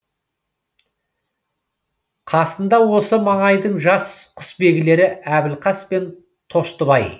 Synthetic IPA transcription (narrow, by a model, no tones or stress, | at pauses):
qʰɑsənd̪ɑwo̞səmɑɴɑjd̪əɴʒɑsqʰʊ̥sbe̞ɡʲɪle̞ɾɪæbɪlqʰɑspe̞n | t̪ʰo̞ʃt̪əβɑj